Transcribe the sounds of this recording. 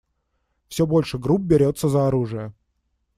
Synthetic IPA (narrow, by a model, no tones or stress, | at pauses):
fsʲɵbolʲʂɨɡɾup̚bʲɪɾʲot̪sːəzəɐɾuʐɨjə